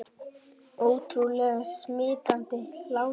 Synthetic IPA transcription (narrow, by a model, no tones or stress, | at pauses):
oːwt̪ʰɾulɛːɣasmɪːt̪ant̪ɪlaːw